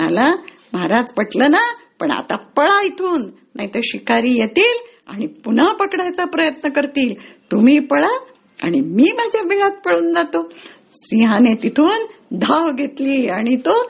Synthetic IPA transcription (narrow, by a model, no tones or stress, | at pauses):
ə̰la | maɾad͡zpəʈlənapəɳa̰t̪apəɭait̪ʰuːnː | a̰ɦit̪əɾɕikaɾiːjet̪iːl | a̰ɽ̃ipunapəkɽajt͡sapɾəjət̪nəkəɾt̪iːlt̪um̤iːpəɭa | a̰ɽ̃imiːmad͡ʑʱjabiɭat̪̚pəɽuːnd͡zat̪o | siɦãnet̪it̪ʰuːn | d̪ʱaʋɡʱet̪liːaɽ̃it̪o